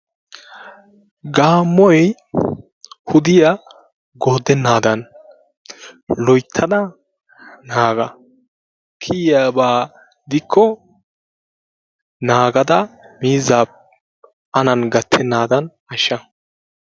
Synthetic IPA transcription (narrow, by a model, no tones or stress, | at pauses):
ɡaːmːɔjj | hʊd̪ɪjɐ | ɡo̞ːd̪ɛnːaːd̪ɐn | lɔjt̪ʰːɐd̪ɐ | naːɡɐ | kʰijabaː | d̪ɪkʰːɔ | naːɡɐd̪ɐmiːzːaːp̚ | ɐnɐnɡɐt̪ʰːɛnːaːd̪ɐn | ɐʃːɐ